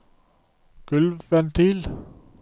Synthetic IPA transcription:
ɡ̥ʉlʋʋɛnt̪ʰiːl

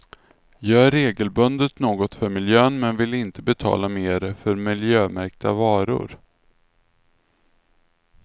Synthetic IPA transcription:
jœːæɾːeːɡəlbɵnd̪ət̪noːɡɔt̪fœɾmɪljøːnmɛnvɪlɪnt̪əbɛt̪ʰɑ̰ːlameːɾfœɾmɪljøːmæɾk̚d̪avɑːɾʊ̰ɾ

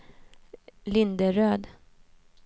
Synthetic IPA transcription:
lɪnd̪əɾøːd̪

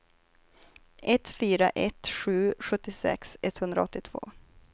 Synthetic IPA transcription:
ʔɛt̪fyːɾaʔɛt̪ɧʉ̟ːɧɵt̪ːɪsɛ̰ksɛt̪hɵnd̪ɾa̰ɔt̪ːɪt̪ʰv̥o̰ː

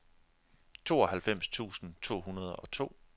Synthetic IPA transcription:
t͡sʰo̝̰ːɒ̽ɦælfem̰st͡sʰṵːsn̩t͡sʰo̝̰ːhunɐð̞ˠɒ̽t͡sʰo̝̰ː

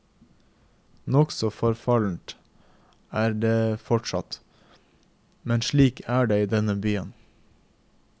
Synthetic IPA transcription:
nɔksɔfɔɾfɑln̩t̪ | æːɾɖeːfɔʈʃɑ̰t̪ | mɛnʃɭiːkʰæːɖeːiːd̪ɛnəbyːən

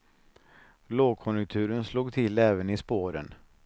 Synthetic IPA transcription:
loːɡ̚kʰɔnjʊk̚t̪ʰʉ̟ːɾənsluːɡt̪ʰɪlɛːvənɪspoːɾə̰n

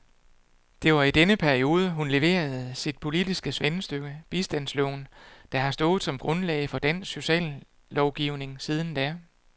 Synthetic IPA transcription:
d̥e̝ʋɑ̈id̥enəpʰæɐio̝ːð̞ˠəɦunle̝ʋe̝̰ːɐðˠsid̥̚pʰo̝lid̥isɡ̥əsʋensd̥øɡ̥əb̥isd̥æn̰slɔ̰ːnd̥ɑ̈hɑ̈sd̥ɔ̽ːð̩ˠsɒ̽mɡ̥ʁɔ̽nlɛ̰ɪfɒ̽d̥æn̰sso̝ɕɛ̰ːlː | ɒʊɡ̥iʊne̝ŋsiːð̞ˠn̩d̥æ

